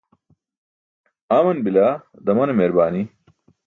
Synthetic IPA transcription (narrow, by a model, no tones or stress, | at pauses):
aːmɐnbilaː | d̪ɐmɐnɐmeɾbaːni